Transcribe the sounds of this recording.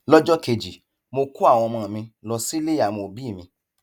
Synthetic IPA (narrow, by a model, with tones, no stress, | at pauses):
lɔ˦d͡ʒɔ˦ke˧˨d͡ʒi˨ | mo˧ku˦a˦˨w̃ɔ̃˧mã˧˨mĩ˧lɔ˧si˦le˦a˨mo˧˨bi˦˨mĩ˧